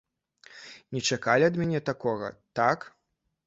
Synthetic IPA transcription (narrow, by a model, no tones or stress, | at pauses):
nʲɛt͡ʂakalʲiɐd̪mʲɛnʲɛt̪akɔɣɐ̰t̪ak